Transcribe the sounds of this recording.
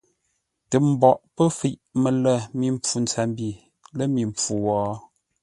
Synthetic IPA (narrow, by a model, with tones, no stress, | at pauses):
tə˨m̩˨bɔ˨ʔpə˦fi˨ʔmə˨lə˦˨mi˨m˦˨p͡fu˨n̩˨t͡sɛ˨mbi˦˨ | lə˦mi˨m˨p͡fu˨wɔː˨˦